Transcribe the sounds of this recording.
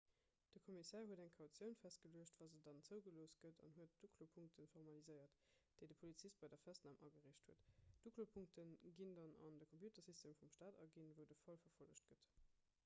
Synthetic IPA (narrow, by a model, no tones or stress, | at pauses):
d̥əkʰomisɛːɐɦuədæŋkʰɑʊt͡sjəʊnfæst̚ɡ̥əliəɕtvaːzədɑnt͡səʊɡəloːst̚ɡ̥ətʰɑ̰nɦuət̚d̥ukʰlopʰuŋk̚tʰənfɔʁmɑlizəɪɐt | d̥eɪdəpʰolit͡sist̚bɑɪdɐfæstnaːmʔɑɡəʁeːɕthuətd̥uklopʰuŋk̚tʰənɡindɑnɑ̰ndəkʰompjuːtɐsistʰeːmfumʃtaːdɑ̰ɡinvəʊdəfɑlfɐfoləɕtɡ̥ət